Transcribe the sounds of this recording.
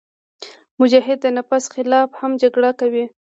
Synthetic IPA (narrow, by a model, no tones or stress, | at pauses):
mʊd͡ʒɑɦɪd̪̚ːənapasxɪlɑfhamd͡ʒaɡɽakawi